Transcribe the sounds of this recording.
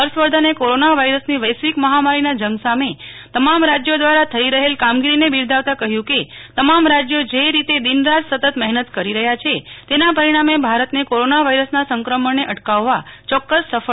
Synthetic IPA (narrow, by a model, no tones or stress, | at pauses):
əɾsʋəɾd̪ʱanekoɾonaʋaiɾəsniʋəjsʋikməɦamaɾinad͡ʒəŋɡsamet̪əmamɾad͡ʒjod̪ʋaɾat̪ʰəiɾəɦelkamɡiɾinebiɾd̪ʱaʋt̪akəɦjũket̪əmamɾad͡ʒjod͡ʒeɾit̪ed̪inɾad͡ʒsət̪ət̪mɛɦnət̪kəɾiɾəɦjat͡ʃʰet̪enapəɾiɽ̃amebʱaɾət̪nekoɾonaʋaiɾəsnasəŋkɾəməɳneʔəʈkaʋːat͡ʃɔkːəsːəfə